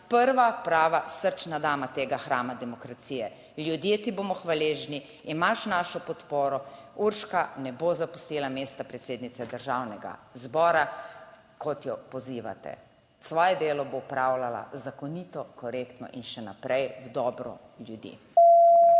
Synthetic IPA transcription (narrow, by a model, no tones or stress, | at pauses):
pəɾʋapɾaːʋasəɾt͡ʃnad̪aːmat̪eːɡaxɾaːmad̪ɛmɔkɾat̪siːjɛ | ljud̪jet̪iboːmɔxʋaleːʒniː | maʃnaʃɔpɔt̪poːɾɔuɾʃkanɛbozapust̪ilameːst̪apɾɛt̪seːd̪nit̪sɛd̪əɾʒawnɛɡa̰zbɔːɾa | kɔt̪jɔpɔziːʋa̰t̪ɛ̰ | sʋɔːjɛd̪eːlɔbowpɾawlala̰zakɔnit̪ɔkɔɾekt̪nɔ̰ʔinʃɛna̰pɾɛjwd̪ɔːbɾɔ̰ | ljud̪ḭː